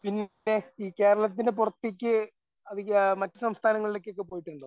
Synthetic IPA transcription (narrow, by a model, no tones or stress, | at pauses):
pinː | e̞iːke̞ːɾɐɭɐt̪̬ːindep̬urɐt̪ːik̬ʲːɨ | ɐðimɐtːɨsɐmst̪ʰaːnɐŋːɐɭile̞kʲːo̞k̬ːe̞p̬o̞ːjiʈːuɳɖo